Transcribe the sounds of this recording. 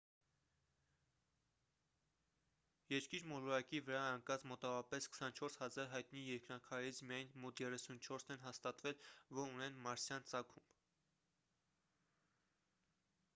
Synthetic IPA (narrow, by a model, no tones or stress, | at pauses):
jɛɾkiɾmɔlɔɾɑkivəɾɑəŋkɑt͡smɔt̪ɑvɔɾɑpɛskʰə̥sɑnt͡ʃʰɔɾshɑzɑɾɦɑjt̪nijɛɾkɾɑkʰɑjɛɾit͡sʰmijɑjnmɔt̪ʰjɛrɛsunt͡ʃʰɔɾsnɛnɦɑst̪ɑt̪vɛlvɔɾunɛnmɑɾsjɑnt͡sɑkʰumb̥